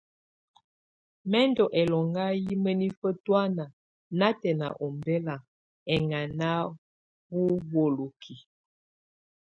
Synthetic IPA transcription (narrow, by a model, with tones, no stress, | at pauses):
mɛ˦ndɔ˨ʔɛ˨lɔ˨ŋɡa˦ji˦mə˦ni˦fə˦twa˦na˨ | na˦tɛ˨na̰˨ʔɔ˨mbɛ˦la˨ | ɛ˨ŋa˨na˦ | bu˦wo˨lo˨kʰi˨